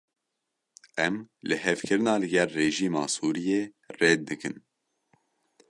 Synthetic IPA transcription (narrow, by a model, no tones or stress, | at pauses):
ɛmlɨhɛvkʰɨɾɨnɑːlɨɡɛlːeːʒiːmɑ̰ːsuːɾijeː | reːt̪̚d̪ɨkɨn